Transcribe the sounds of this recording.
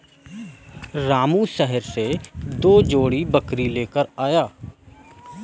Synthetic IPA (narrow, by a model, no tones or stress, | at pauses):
ɾaːmũʃɛɦɛɾsed̪oːd͡ʒoːɽibəkɾileːkəɾaːjaː